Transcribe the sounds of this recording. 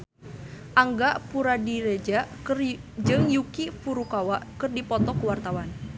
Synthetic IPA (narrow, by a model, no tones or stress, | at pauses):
ʔaŋɡaʔpuɾadiɾed͡ʒaʔkrd͡ʒɨŋjukifuɾukawaʔkɨrdipɔt̪ɔkəwart̪awan